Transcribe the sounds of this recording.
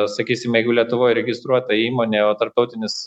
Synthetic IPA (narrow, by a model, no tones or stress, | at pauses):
sɐkʲiːsʲɪmjɛɪɡʊlʲiɛt̪ʊʋoːjɾʲɛɡʲɪst̪ɾuɔt̪ɐiːmoːnʲeːoːt̪ɐɾp̚t̪ɐʊt̪ʲɪnʲɪs